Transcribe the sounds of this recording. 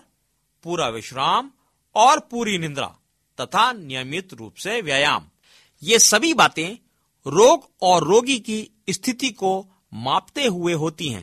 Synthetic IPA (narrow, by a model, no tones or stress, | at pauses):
puːɾaʋɪʃɾaːm | ɔːɾpuːɾinɪ̃nd̪ɾa̰ː | t̪ɐt̪ʰanɪjəmɪt̪ɾṵːpseʋjaːja̰ːm | jeːsɐbʱibaːt̪ẽ | ɾoːɡ | ɔːɾːoːɡiki | st̪ʰɪt̪iko | maːpt̪eɦʊeɦoːt̪iɦɛ̰̃ː